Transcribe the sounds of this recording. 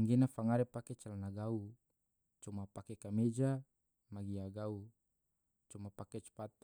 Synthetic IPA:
ŋɡenafaŋaɾepaket͡ʃalanaɡau | t͡ʃumapakekamed͡ʒa | maɡiaɡau | t͡ʃumapaket͡ʃu̥pat̪

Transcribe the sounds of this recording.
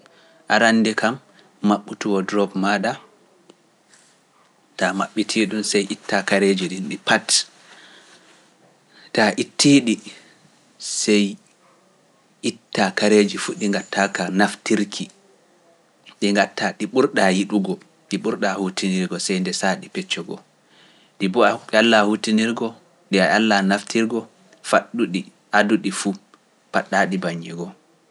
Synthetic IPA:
ʔaɾanːdikʰamː | aɓːutuwɔdɾɔbmaɗa | tamaɓːitʰiːɗumsɛjʔitːakaɾeːd͡ʒiɗinɗipat | taʔitːiɗi | sɛj | ʔitːakaɾeːd͡ʒifuɗiŋɡatʰːakanaftiɾkʰi | ɗiŋɡatːaɗiɓuɾɗajiɗuɡɔ | ɗiɓuɾɗahutiniɾɡɔsɛjndɛsaɗipɛt͡ʃːɔɡɔ̰ | ɗibɔaalːahutiniɾɡɔ | ɗiaalːanaftiɾɡɔ | faɗːuɗi | ʔaduɗifu | paɗːaːɗibaɲːɛɡɔ

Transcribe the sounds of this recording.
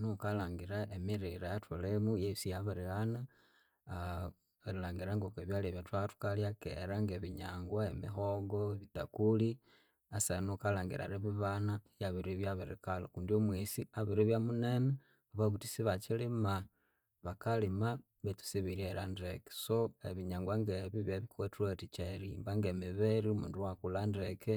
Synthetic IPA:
nukalaːŋɡiɾaemiɾiɾajatʰolemujesijaβaɾilana | ɾilaːŋɡiɾaŋɡokeβjaleβjatwatu̥kaljakḛɾaŋɡeβiɲa̰ŋɡwae̞mḭxoɡoeβita̰kuli | asanokalaːŋɡḭɾa̰ɾeβiβanajaβiɾiβjaβiɾḭkalo̰kundiomwisiaβiɾiβjamunene | βaβaβutisiβat͡ʃilima | βakalima | βetu̥siβiɾieɾandeke̥soḛβiɲaːŋɡwaŋɡeβiβjeβikwetwetit͡ʃeɾimbaŋɡemiβeɾiumṵːnduwakulanɾeke

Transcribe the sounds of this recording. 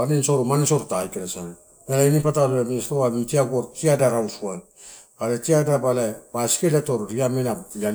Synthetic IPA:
aninsoɾumanisoɾutajkeɾasan | elainipataβamsɾoamitiaɡoɾtiadaɾawsuaj | ɡaɾatiadabalabasi̥keletoɾɾiamenaja

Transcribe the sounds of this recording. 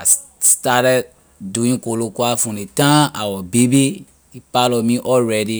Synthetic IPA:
a̰s | statɛd | duĩŋkolokuafũnĩtãawɔbibi | ipalɔmĩʔɔlɾɛdi

